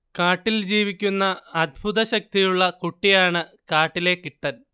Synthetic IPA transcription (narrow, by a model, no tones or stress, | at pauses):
kaːʈːild͡ʑiːʋikʲːunːɐːd̪̚ʱbʱuðɐɕɐk̚t̪ijuɭːɐkuʈːijaːɳɨ | kaːʈːile̞kiʈːɐn